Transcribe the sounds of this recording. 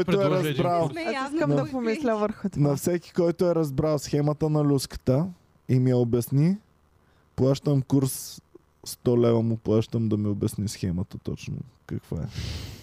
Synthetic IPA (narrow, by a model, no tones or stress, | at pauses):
jɾʊɛɾɐzbɾalˠiskənɐd̪ɐpomislʲəvəɾxʊt̪nɐfsɛki̥kɔjt̪ʊɛɾɐzbɾalˠsxɛmɐt̪ənɐlʲuskə̥t̪ə | imiɛobɐsni | plˠaʃt̪əmkuɾsː | t̪ɔlɛvɐmʊplˠaʃt̪əmd̪ɐmiʊbʲɐsnisxɛmət̪ət̪ɔ̰t͡ʃnʊ̰kɐkvoɛ̰